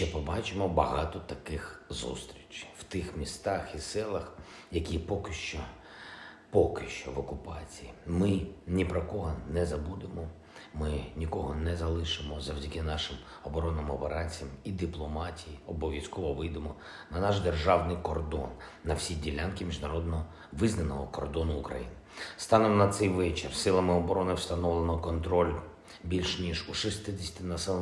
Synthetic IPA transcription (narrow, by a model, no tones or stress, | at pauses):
t͡ʃɛpɔbɑt͡ʃɪmɔbɐɦɑt̪ɔt̪ɐkɪxzṵst̪ɾʲit͡ʃw̥t̪ɪxmʲist̪ɑxisɛlˠɐx | jɐkʲipɔkɪʃt͡ʃɔ | pɔkɪʃt͡ʃɔʋɔkʊpɑt͡sʲijimɪnʲipɾɔkɔɦɔnɛzɐbud̪ɪmɔ | mɪnʲikɔɦɔnɛzɐlˠɪʃɪmɔzɐwdʲɐkɪnɑʃɪm | ɔbɔɾɔnːɪmɔbeɾɑnʲt͡sʲɐmid̪ɪplˠɔmɑtʲijiɔbɔʋʲjiskɔʋɔʋɪjd̪emɔ | nɐnɑʃd̪erʒɑwnɪjkɔrd̪ɔ̰nː | ɐwsʲidʲilʲankimʲiʒnɐɾɔd̪nɔ | ʋɪznɐnɔɦɔkɔrd̪ɔnʊːkɾɐ̰jḭnɪ | st̪ɑnɔmnɐt̪sɛjʋɛt͡ʃɪrsɪlˠɐmɪɔbɔɾɔnɪwst̪ɐnɔʋlˠenɔkɔnt̪ɾɔlʲ | bʲilʲʃnʲiʒuʃɪst̪ɪd̪ʲɪsʲt̪ʲɪnɐsɛlˠ